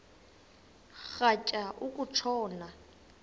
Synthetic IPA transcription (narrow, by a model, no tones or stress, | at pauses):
χacʼaʔʊkʼut͡ʃʰɔːna